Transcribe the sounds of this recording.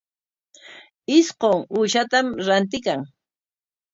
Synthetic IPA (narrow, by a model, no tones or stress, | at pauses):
ɪsqoŋuːʃat̪amɾant̪̬ɪkaŋ